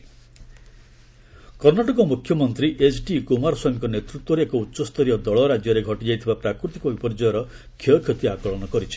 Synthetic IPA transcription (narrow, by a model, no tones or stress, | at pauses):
kɔɾnaʈɔkɔmukʰjɔmɔnt̪ɾiʔesʰɖikumaɾɔsɔŋkɔnet̪ɾut̪wɔɾeekɔutːʃɔst̪ɔɾijɔd̪ɔɭɔɾad͡ʒjɔɾeɡʱɔʈid͡ʒajt̪ʰibapɾakɾut̪ikɔbipɔɾd͡ʒɔjɔɾɔ | kʰɔɔkʰot̪iakɔɭɔnɔkɔɾit͡ʃʰi̥